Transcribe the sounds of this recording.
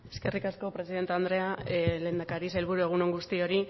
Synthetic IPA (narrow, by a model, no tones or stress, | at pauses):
e̞ske̞rikasko̞pɾe̞siðe̞nt̪eand̪ɾe̞ale̞ːnd̪akaɾise̞lβuɾue̞ɣ̞uno̞ŋɡust̪io̞ɾi